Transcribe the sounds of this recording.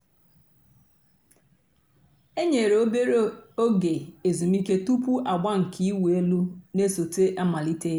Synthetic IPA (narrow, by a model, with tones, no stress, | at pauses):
e˦ɲe˨ɾo˦be˦ɾo˦o˦ɡe˨e˨zu˨mi˦ke˦tu˦pu˦ʔa˨ɡ͡ba˦ŋ̩˨kʰi˦i˦we˨e˦lu˦ne˦so˨te˦ʔa˦ma˨li˦te˦